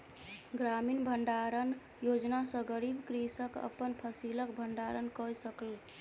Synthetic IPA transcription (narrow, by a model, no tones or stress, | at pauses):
ɡɾaminbʱəɳɖaɾən | jod͡ʒnasə̃ɡəɾibkɾisəkə̰pːənpʰəsilək̚bʱəɳɖaɾənkɔjsəkəl